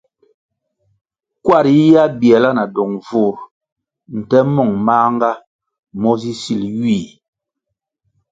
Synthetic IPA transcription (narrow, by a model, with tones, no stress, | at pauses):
kwa˦˨ɾi˦ja˦bjɛ˨la˦na˨dɔ˨ŋvu˦˨ɾ | n̩˨tɛ˦mɔ˦˨ŋmaː˦ŋ˦ɡa˦ | mɔ˦zi˦si˦˨ljiː˦˨